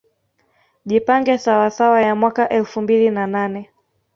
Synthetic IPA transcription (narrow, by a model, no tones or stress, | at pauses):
ʄipaŋɡɛsawasawajamwakaʔɛlfumbilinananɛ